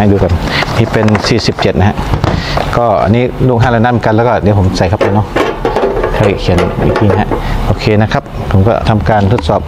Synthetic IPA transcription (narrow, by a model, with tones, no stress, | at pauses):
a˧˨duː˧ka˨nniː˦˧˥pe˧nsiː˨˩si˨˩˦p̚t͡ɕe˨t̪̚na˦˥ɦa˧˥ʔkɔː˧˩ʔa̰˨niː˦˥luː˧˩k̚ɦaː˧˥˩laː˧˩naː˧˥˩m˨˦ka˧nlɛː˧˩wkɔː˧˩di˨˦pʰo˨˦msa˨˧˦jkʰa˦˧p̚tʰa˧˩nɔ˧˩ | kʰaː˧˩jkʰi˨˦nḭ˨˩ŋki˧ŋ˧ɦa̰˧ʔʔoː˧kʰeː˧na˦˧˥kʰa˦˥p̚pʰo˨˦mkɔ̰˧˩t̪ʰa˧mkaː˧nt̪ʰo˦˥t̪̚sɔː˨˩p̚